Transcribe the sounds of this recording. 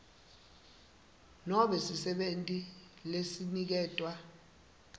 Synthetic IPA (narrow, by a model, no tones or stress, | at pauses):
nɔɓɛsisɛɓentʼi | lesinik̬ɛːtʼwa